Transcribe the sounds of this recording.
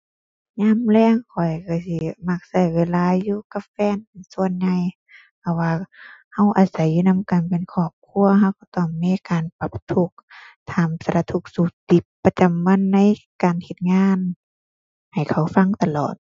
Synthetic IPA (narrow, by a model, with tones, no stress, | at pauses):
ɲaː˧˥˨mlɛː˧˥˩ŋkʰɔ˨˩jka˧˩si˧˦ma˧k̚sa˧˩jweː˧˨laː˧˨juː˧ka˧˥p̚fɛː˧˥˨npe˨nsu˧ənɲa˧j | pʰa˧˩waː˧ha˧˩wʔaː˨˩sa˨˦jːuː˧na˧˥˨mka˨˩npe˨nkʰɔː˧˩p̚kʰu˧˥˨ɐɦa˧wkɔ˧˩t̪ɔ˧˩ŋmiː˧˨kaː˨npa˧˦p̚t̪ʰu˧˦k̚t̪ʰaː˨˧msa˧˨la˧t̪ʰu˧k̚suː˧˩t̪i˧˦pːa˧t͡ɕa˨mːa˧˥˨nːa˧˥˨jkaː˨nhe˧t̪̚ŋaː˧˥˨n | ha˨˩jkʰa˨˩wfa˧˥˨ŋt̪a˧lɔː˨˩t̪̚